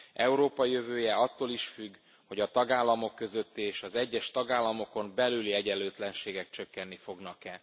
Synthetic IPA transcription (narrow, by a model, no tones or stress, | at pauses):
ʔɛuɾoːpɒijøvøːjɛɒt̪ːoːliʃfyɡː | ho̞ɟɒt̪ɒɡaːlːɒmo̞kːø̞zø̞t̪ːiːʃɒzɛɟːɛʃt̪ɒɡaːlːɒmo̞ko̞mbɛlyliɛɟɛlːøːt̪lɛnʃeːɡɛkt͡ʃø̞kːɛnːifo̞ɡnɒkɛ